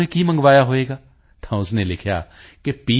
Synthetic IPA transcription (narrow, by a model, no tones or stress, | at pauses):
ẽkimɐ̃ŋɡʋaːjaɦoeːɡaː | t̪ʰaʊsnelɪkʰja̰ː | kepiː